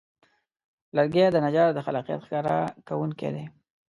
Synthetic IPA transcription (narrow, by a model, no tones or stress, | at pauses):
laɾɡed̪ənad͡ʒɑɾd̪əxalɑqija̰t̪xkɑɾa̰kawuŋkḛd̪e